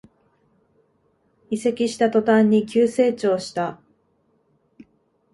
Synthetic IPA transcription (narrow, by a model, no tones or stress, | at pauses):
ise̞kʲiɕi̥t̪at̪o̞t̪ãɲ̟ːikʲɨːse̞ːt͡ɕo̞ːɕi̥t̪a